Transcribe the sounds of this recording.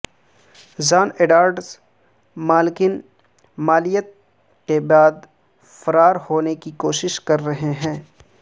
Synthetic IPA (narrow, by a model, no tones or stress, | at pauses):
zaːneːɖaːɾɖs | maːlɪkɪn | maːlijət̪̚ | kebaːd̪ | fɐɾaːɾhoːnekikoːʃɪʃkɐɾːɐɦeɦɛ̃ː